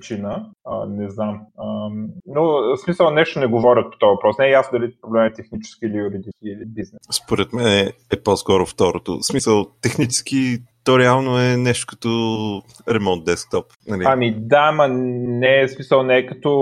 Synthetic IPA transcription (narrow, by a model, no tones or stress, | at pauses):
t͡ʃinəə̰nɛznamənosmisəlˠnɛʃt̪onɛɡovɔɾʲət̪̚pot̪ɔvɐpɾɔsnɛɛjasnod̪ɐlipɾoblɛmɛt̪ɛxnit͡ʃɛ̥skiːlijuɾid̪iiilibiznɛspoɾɛt̪mɛnɛɛpɔskɔɾʊft̪ɔɾot̪o̰smisəlˠt̪ɛxnit͡ʃɛ̥sk̟it̪ɔɾɛalˠnoɛnɛʃt̪o̥kɐ̥t̪ɔ | ɾɛmɔnt̪̚d̪ɛsk̚t̪ɔpnɐliamid̪amɐnɛsmisəlˠnɛːkɐt̪ɔ